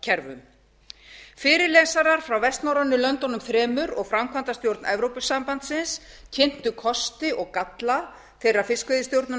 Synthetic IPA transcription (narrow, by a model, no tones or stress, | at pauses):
cʰɛɾvʏ̰m | fɪːɾɪɾlɛːsaɾaɾ̥fɾawvɛst̪nawɾanːʏlœnt̪ɔnʏmθɾɛːmʏɾɔɣfɾamkʰvant̪ast̪jowɾt̪nɛvɾowpʏsampant̪sɪns | cʰɪn̥t̪ʏkʰɔst̪ɪʔɔɣkat̪la | θejrːafɪskvɪðɪst̪jowɾt̪nʏ